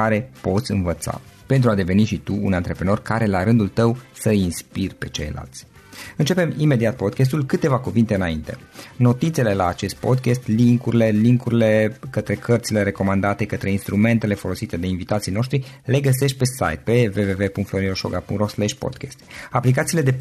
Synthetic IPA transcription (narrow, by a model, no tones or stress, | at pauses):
aɾe̞po̞t̪sʲɨnvət̪sa̰ | pe̞nt̪ɾuad̪e̞ve̞niʃit̪uṵnant̪ɾe̞pɾeno̞rkaɾe̞laɾɨnd̪ult̪əwsəinspirpe̞t͡ʃe̞̰jla̰lt̪sʲ | ɨnt͡ʃe̞pe̞mime̞d̪iat̪̚po̞d̪kʲes̬t̪ulkɨt̪e̞vakuvint̪e̞ɨnaint̪e̞no̞t̪it̪sele̞laːt͡ʃe̞st̪̚po̞d̪kʲest̪liŋkuɾile̞liŋkuɾile̞kət̪ɾe̞kʰərt̪sile̞ɾe̞ko̞mand̪at̪e̞kət̪ɾe̞inst̪ɾume̞nt̪e̞le̞fo̞lo̞sit̪e̞d̪einvit̪at̪sijno̞ʃt̪ɾile̞ɡəs̬e̞ʃ̬t̪̚ʲpe̞sa̰jt̪̚pe̞ve̞ve̞ve̞puŋkt̪flonioʃo̰ɡapṵŋt̪ɾoslɛʃpo̰d̪kʲest̪aplikat̪siːle̞d̪e̞